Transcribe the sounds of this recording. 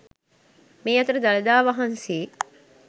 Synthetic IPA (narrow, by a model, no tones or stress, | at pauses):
miːɐt̪əɾəd̪alɐd̪aːʋaɦɐnsiː